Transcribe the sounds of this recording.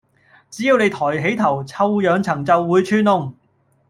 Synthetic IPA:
t͡siː˨˥jiː˨˧wne˨˧jt̪ʰɔː˨˩jɦe˨˥jt̪ʰɐ˨˩wt͡sʰɐ˧wjœː˨˧ŋt͡sʰɐ˨˩ŋt͡sɐ˨wːuː˨˧jt͡ʃʰyː˧nʊ˨˧ŋ

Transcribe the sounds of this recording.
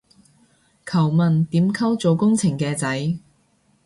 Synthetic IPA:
kʰɐ˨˩wmɐ˨nt̪iː˨˥mkʰɐ˥wt͡so˨˧wkʊ˥ŋt͡sʰɪ˨˩ŋkɛː˧t͡sɐ˨˥j

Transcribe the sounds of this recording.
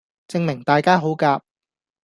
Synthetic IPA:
t͡sɪ˧ŋmɪ˨˩ŋt̪aː˨jkaː˥ɦo˨˥wkaː˧p̚

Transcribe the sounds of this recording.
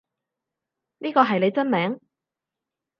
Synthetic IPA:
niː˥kɔː˧ɦɐ˨jle˨˧jt͡sɐ˥nmɛː˨˥ŋ

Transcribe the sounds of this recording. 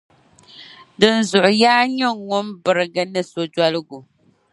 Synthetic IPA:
dɨ˨n̩˨zʊ˨ʔʊ˨jaː˦ɲɛ˦ŋʊ˦mbɨ˨ɾɨ˨ɡɨ˦nɨ˦so˨d͡ʒa˦lɨ˦ɡu˨

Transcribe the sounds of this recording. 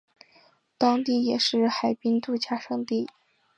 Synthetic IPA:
t̪ɑ˥ŋt̪i˥˩jɛ˨˩ʂɻ̩˥˩xa˨˩ɪpi˥nt̪u˥˧t͡ɕja˥˩ʂɤ˥˧ŋt̪i˥˩

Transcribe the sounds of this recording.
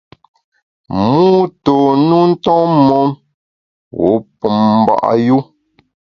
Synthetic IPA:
mu˦to˨nu˦n̩˦tɔ̃˦mɔ˦m | wo̰˨˦pu˨mm˨ba̰˦˨ʔa̰˦ju˦

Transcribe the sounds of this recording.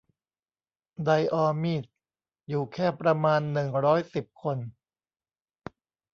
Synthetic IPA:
da˧jʔɔː˧miː˥˩t̪̚ | juː˨˩kʰɛː˥˩pɾa˧maː˧nːɯ˨˩ŋɾɔː˦˥jsi˨˩p̚kʰo˧n

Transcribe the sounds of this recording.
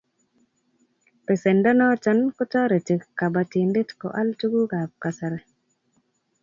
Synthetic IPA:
pe˨se˨nda˦nɔ˦t͡ʃa˦nkɔ˦tɔ˦ɾe˨te˨kkːa˨ba˨ti˨nde˦tko̰˨ʔa˦ltu˦ɡu˦ɡa˨p̚ka˨sa˨ɾɛ˨

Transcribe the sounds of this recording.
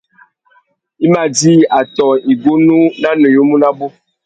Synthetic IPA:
i˦ma˨d͡ʒi˦a˨tɔ˨i˨ɡo˦nu˦na˦no˨jo˦mũ˦na˦bo˦

